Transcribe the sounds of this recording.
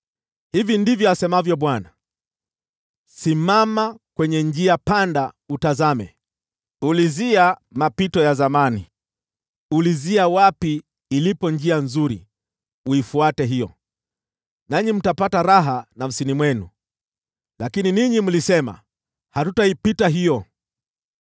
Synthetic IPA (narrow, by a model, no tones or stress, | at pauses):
hivindivjɔasɛmavjɔɓwana | simamakwɛɲɛɲd͡ʒiapanda | utazamɛ̰ | uliziamapitɔjazamanḭ | uliziawapiː | lipɔɲd͡ʒianzuɾḭ | uifuatɛɦijɔ | naɲim̩tapataɾaɦanam̩sinimwɛnṵ | lakininiɲim̩lisɛma̰ | hatutaipitaɦijɔ